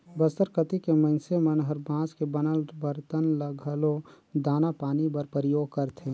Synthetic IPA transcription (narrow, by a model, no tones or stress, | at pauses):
bəsəɾkət̪ikemə̃ɪnsemənɦəɾbãːskebənəlbəɾt̪ənləɡʱəlo | d̪aːnapaːnibəɾpɾijoːɡ̚kəɾt̪ʰẽ